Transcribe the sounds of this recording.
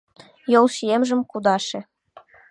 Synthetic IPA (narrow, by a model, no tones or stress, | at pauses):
jolˠʃijemʒə̆mkud̪ɑʃĕ